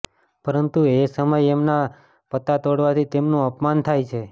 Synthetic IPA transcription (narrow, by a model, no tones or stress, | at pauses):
pəɾənt̪uesəməjemna | pət̪at̪oɽʋat̪ʰit̪emnũəpmant̪ʰajt͡ʃʰe